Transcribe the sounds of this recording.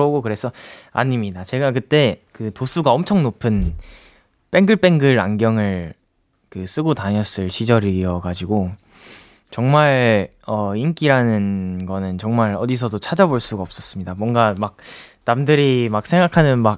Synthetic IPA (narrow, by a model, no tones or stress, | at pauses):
oɡokɯɾe̞sʰʌa̰ɲimɲidat͡ɕe̞ɡakɯt͈e̞kɯtos͈ʰuɡaʌmt͡ɕʰʌŋnopʰɯn | p͈e̞ŋɡɯɭp͈e̞ŋɡɯɾa̰ŋɡjʌŋɯɭ | kɯs͈ɯɡotaɲʌs͈ɯɭɕʰid͡ʑʌɾiʌɡad͡ʑiɡo | t͡ɕʌŋmaɭ | ʌink͈iɾanɯnɡʌnɯnt͡ɕʌŋmaɾʌdisʰʌdot͡ɕʰad͡ʑaboɭs͈uɡaʌp̚s͈ʌs͈ɯmɲidamwʌŋɡamak̚namdɯɾimak̚sʰeŋɡakʰanɯnmak̚